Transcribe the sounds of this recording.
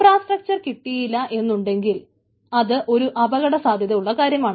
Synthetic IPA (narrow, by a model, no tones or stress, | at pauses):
fraːsʈrɐk̚t͡ɕɐrkiʈːijilːɐʔe̞nːuɳɖe̞ŋɡil | ɐðɨʔo̞ɾuʔɐbɐɣɐɽɐsaːd̪ʱjɐðɐjuɭːɐkaːɾjɐmaːɳɨ